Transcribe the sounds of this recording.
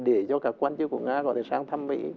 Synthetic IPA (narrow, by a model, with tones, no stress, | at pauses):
ɗe˧˩zɔ˧kaː˨˦˥kːwaː˧nt͡ɕɨ˦˥k̚ku˧˩əŋaː˧kɔ̰˨˧˦t̪ʰe˧˩saː˧ŋt̪ʰa˧mvḭ˧˥